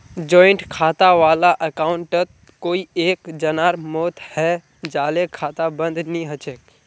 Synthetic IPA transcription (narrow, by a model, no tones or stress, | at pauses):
d͡ʒɔːɪɳʈkʰaːt̪aʋaːlaʔəkaːʊɳʈət̪̚ | koːieːkd͡ʒənaːɾmɔːt̪hɛ | d͡ʒaːlekʰaːt̪abə̃nd̪ʱnĩɦət͡ʃek